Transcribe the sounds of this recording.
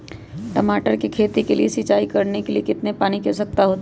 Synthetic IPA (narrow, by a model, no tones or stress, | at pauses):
ʈɐmaːʈəɾkikʰeːt̪ikelḭesɪt͡ʃaːikɐɾnekeliekɪt̪nepaːnikesɐk̚t̪aɦoːt̪a